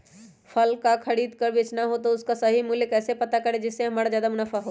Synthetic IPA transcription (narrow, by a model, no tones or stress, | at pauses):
pʰɐlkakʰɐɽiːd̪kɐɾʋɪt͡ʃnaɦot̪oʊskasɐɦimʊljəkɛːsepɐt̪akɐɾed͡ʒɪsːeɦɐmaːɾɽad͡ʒjaːd̪amʊnəfaɦo